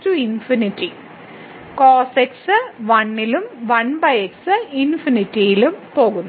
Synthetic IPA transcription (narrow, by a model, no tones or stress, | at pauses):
tuinfiniʈːi | koːseksɨʋɐɳːilumʋɐɳbɐjeksɨinfiniʈːijilɯumpoːɣunː